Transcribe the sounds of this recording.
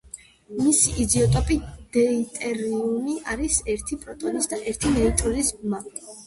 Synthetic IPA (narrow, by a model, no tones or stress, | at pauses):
misiʔid̪iɔt̪ʼɔpʼid̪̥ɛit̪ʼɛɾiumiaɾisɛɾt̪ʰipʼɾɔt̪ʼɔnisd̪aʔɛɾt̪ʰinɛit͡ʃʼulisbma